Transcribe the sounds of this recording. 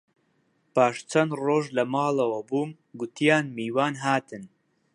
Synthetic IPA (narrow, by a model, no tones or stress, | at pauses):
paːʃt͡ʃʰɐnd̪roːʒlɐmɑːlɐwɐbuːm | ɡʊt̪ʰijaːnmiːwaːnɦaːt̪ʰɨn